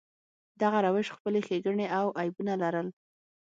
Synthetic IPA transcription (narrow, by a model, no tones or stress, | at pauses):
d̪aɣaɾawɪʃxpəlexeɡəɳeʔawʔajbunalaɾəl